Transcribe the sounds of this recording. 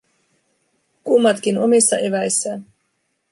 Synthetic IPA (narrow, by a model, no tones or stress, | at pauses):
kumːɑt̪k̟ino̞misːɑʔe̞ʋæjsːæ